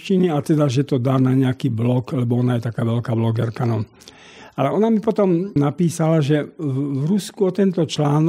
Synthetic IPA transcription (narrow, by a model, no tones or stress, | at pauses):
t͡ʃiniat̪ɛd̪aʒɛt̪ɔd̪aːnaɲɛakiːblɔklɛbɔɔnajɛt̪akaːʋɛlkaːblɔɡɛɾkanɔn | ʔalɛɔnamipɔt̪ɔmnapiːsalaʒɛʋɾuskuɔt̪ɛnt̪ɔt͡ʃlaːn